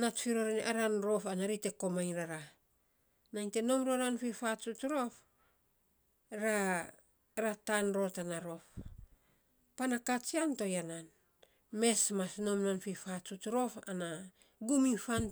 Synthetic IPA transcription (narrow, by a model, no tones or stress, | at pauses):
natfiɾoɾenʔaɾanɾo̞fanaɾite̞ko̞majɾaɾa | najnte̞no̞mɾoɾanfifat͡ʃutɾo̞f | ɾa | ɾatanɾo̞tanaɾo̞f | panakat͡ʃianto̞janan | me̞smasno̞mnanfifat͡ʃutɾo̞fana | ɡumifan